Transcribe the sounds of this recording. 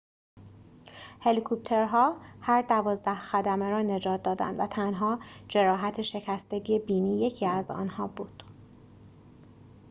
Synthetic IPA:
he̞likʰup̚t̪ʰe̞ɾɦɒːhæɾd̪ævɒːzd̪æhxæd̪æmeɾɒːne̞d͡ʒɒːt̪̚ʰd̪ɒːd̪æ̰nd̪væt̪ʰænɦɒːd͡ʒe̞ɾɒːɦæt̪ʰeʃe̞cʰæst̪e̞ɟiebiːniːje̞cʰiːæzɒ̰ːnhɒːbuːd̪̥

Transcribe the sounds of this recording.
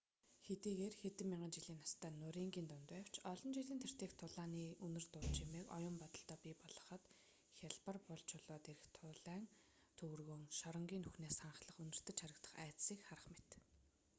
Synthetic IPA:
xet̪iːɣeːrxet̪ɘ̆mːiɴɢə̆nt͡ɕiɮiːnɔ̥st̪ʰæːnːʊɾiːŋɡʲiːnt̪ʊnt̪æw̥t͡ɕʰɔɮɞ̆nt͡ɕiɮiːnt̪ʰer̥t̪eːxt̪ʰʊɮaːniːɵnɵ̆r̥t̪ʊɮt͡ɕimeːkɔ̰jʊ̆mpɔt̪ɞ̆ɬt̪ɔːpʲipɔɮɞ̆χə̆t̪ | xʲaɮpə̆rpʊɮt͡ɕʰʊɮɔːt̪eɾɘ̆xt̪ʰʊɮæːn | t̪ʰɵwɘ̆rɣoːŋʃɔɾɞ̆ŋɡʲiːnɵxneːsχaɴχɮə̆χɵnɵ̆r̥t̪ɘ̆t͡ɕʰaɾə̆kt̪ə̥̆χæːt͡ssiːkχaɾə̆χmet̪

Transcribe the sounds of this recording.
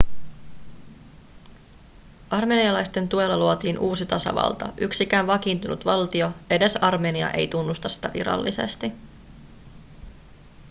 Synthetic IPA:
ɑrme̞ːniɑlɑjst̪e̞nt̪ue̞lːɑluot̪iːnʔuːsit̪ɑsɑ̰ʋɑ̰lt̪ɑ̰ʔyksikæːnʋɑkint̪unṵt̪ʋɑlt̪io̞e̞de̞sɑrmeːniɑ̰ʔe̞jt̪unːust̪ɑsːi̥t̪æʋḭɾɑ̰lːise̞̰st̪i

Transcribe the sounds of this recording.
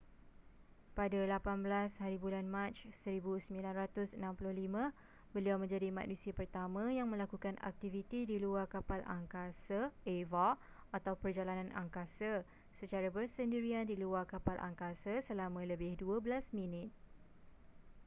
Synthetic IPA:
padalapanbəlashaɾibulanmãt͡ʃsəɾibusəmĩlanrat̪ʊsənãmpulʊhlimə̃ | bəliawmə̃ɲd͡ʒadima̰knũsiapərt̪amãjaŋmə̃lakukanʔa̰k̚t̪ivit̪idiluarkapalʔa̰ŋkasaeva | at̪awpərd͡ʒalanãnʔa̰ŋkasa | sət͡ʃaɾabərsəndiɾiandiluarkapalʔa̰ŋkasasəlamə̃ləbɪhduəbəlasmĩnɪt̪̚

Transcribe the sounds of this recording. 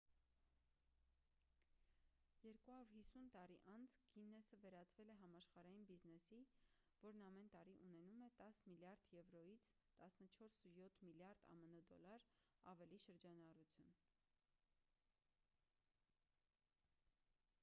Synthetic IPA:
jɛɾkuhɑɾuɾhisunt̪ɑɾiʔɑnt͡sʰɡinːɛsəvɛɾɑt͡svɛlɛɦɑmɑʃχɑɾɑjinbiznɛsi | vɔɾnɑmɛnt̪ɑɾiʔunɛnumɛt̪ɑsmiljɑɾd̪jɛvɾɔjit͡sʰ | t̪ɑsnət͡ʃʰɔɾsjɔt̪ʰmiljɑɾd̪ɑ̰mənud̪ɔlɑɾɑ̰vɛliʃəɾd͡ʒɑnɑrut͡sʰjun

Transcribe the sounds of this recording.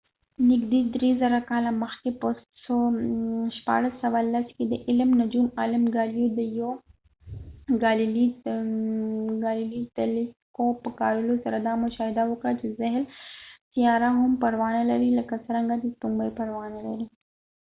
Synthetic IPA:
nɪɡd̪iːd̪ɾiːzɐɾakaːlamɐxkepost̪so | ʃpa̰ːɾəsːɐʋalːɐskid̪əʔɪlmnɐd͡ʒuːmaːləmɡaːlijud̪əjo | ɡaːlili | ɡaːlilit̪ɐlikopəkaːɾilusɐɾad̪aːmʊʃaːɦɪd̪aɦokat͡ʃizɐɦlsijaːɾaɦʊmpɐɾʋaːnalɐɾilɐkasɐɾɐ̃ŋɡad̪it̪umbəpɐɾʋaːnalɐɾi

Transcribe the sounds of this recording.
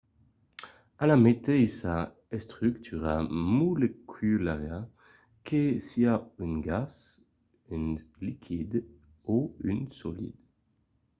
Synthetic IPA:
alamet̪ejsa | ɛst̪χyk̚t̪ʰyʁamulekʰylaʁja | kʰesiaynɡas | ynlikʰid̪ | oynsɔlḭd̪̥

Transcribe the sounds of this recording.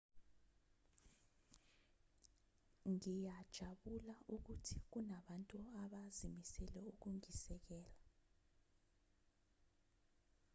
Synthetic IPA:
ŋijad̥ʒ̥ʱaɓulauk̬utʰi̥k̬unaɓantʼuaɓazimisɛlɛuk̬uŋisɛk̬ɛːla

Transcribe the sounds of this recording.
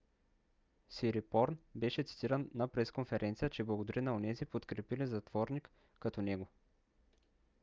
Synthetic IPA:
siɾipɔɾnbɛʃɛt̪si̥t̪iɾənːɐpɾɛskonfɛɾʔɛnt̪sijət͡ʃɛblˠɐɡod̪ɐɾinɐonɛzipot̪kɾɛpilizɐt̪v̥ɔɾnikː | ɐt̪ɔnɛɡo

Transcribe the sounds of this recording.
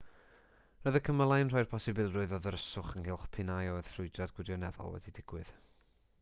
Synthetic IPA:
rəðəkʰəməlˠajnr̥ɔjr̥pʰɔsɪbɪlˠrʊɨðɔðəɾəsʊχənhɪlˠχpʰɪnajɔəð̥frʊɨdradɡ̥wɪɾjɔnɛðɔ̰lˠwɛ̰didɪɡ̥wɨð̥

